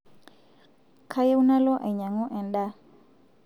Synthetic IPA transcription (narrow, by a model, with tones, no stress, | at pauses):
kʰa˦jɛ˦u˦na˦lɔ˦ʔa˨jɲa˨ŋɔ˦ʔɛ˨nɗa˦